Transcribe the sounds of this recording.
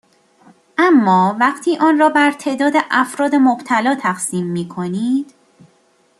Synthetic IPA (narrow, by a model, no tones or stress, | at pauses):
ʔæmːɒːvæqt̪ʰiːʔɒːnrɒːbæɾt̪ʰe̞ːʔd̪ɒːd̪eʔæfɾɒːd̪e̞mobt̪ʰælɒːt̪ʰæɢsiːmːiːkʰoniːd̪̥